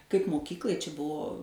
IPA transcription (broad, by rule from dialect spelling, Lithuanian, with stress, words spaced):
kɐɪp moːˈkʲiːklˠɐɪ t͡ʃʲɛ ˈbuɔ